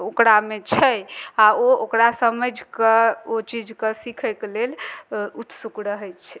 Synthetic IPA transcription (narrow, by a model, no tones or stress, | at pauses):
okɾamet͡ʃʰəjaookɾasəməd͡ʒʱkeot͡ʃid͡ʒʱkesikʰɛkelelut̪sukɾəɦət͡ʃʰɛ̥